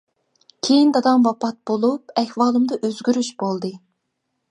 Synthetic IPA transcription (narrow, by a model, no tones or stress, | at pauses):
kʲʰejind̪ɑd̪ɑmbɑpʰɑt̪̚b̥olˠupɛhwɑːlˠɨmd̪ɑʔøzɡʲyɾyʃbolˠd̪ɨ